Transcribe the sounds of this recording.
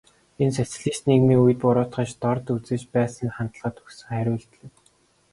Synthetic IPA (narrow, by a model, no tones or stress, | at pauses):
ensæt͡s̆ɮiːsniːkmiːujɘ̆t̪̚pʊɾʊːt̪χə̆t͡ɕt̪ɔrt̪ut͡seːt͡ɕpæːsə̆nχant̪ə̆ɮʁə̆t̪ɵ̥xsə̆ŋχæɾʲʊːɮt̪ɮɘ̆w